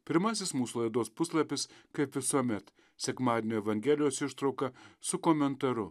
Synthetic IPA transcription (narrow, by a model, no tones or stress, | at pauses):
pʲɪɾmɐsʲɪsmuːsʊlˠɐɪd̪oːspʊslˠɐpʲɪskɐɪpʋʲɪsuɔmʲɛt̪ | sʲɛkmɑːd̪ʲenʲoːɛʋɐŋʲɡʲæːlʲɪjoːsɪʃt̪ɾɒʊkɐsʊkoːmʲɛnt̪ɐɾʊ